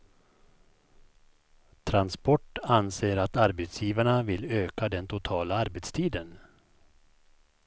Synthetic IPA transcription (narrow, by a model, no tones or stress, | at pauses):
t̪ʰɾanspɔʈːanseːɾat̪aɾbɛt̪sjiːvaɳavɪløːkad̪ɛnt̪ʰʊt̪ʰɑːlaaɾbɛt̪st̪ʰiːd̪ən